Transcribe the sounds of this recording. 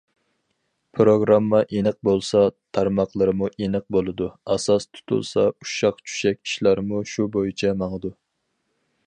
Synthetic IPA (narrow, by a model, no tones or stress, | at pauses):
pʰɾoɡɾɑmːɑʔenɨq̚bolˠsɑt̪ʰɑɾmɑqlˠɨɾɨmuʔenɨq̚bolˠɨd̪uɑsɑst̪ʰu̥t̪ʰṵlˠsɑuʃɑqt͡ʃʰy̥ʃɛkʲi̥ʃlˠɑɾmuʃubojit͡ʃʰɛmɑŋəd̪u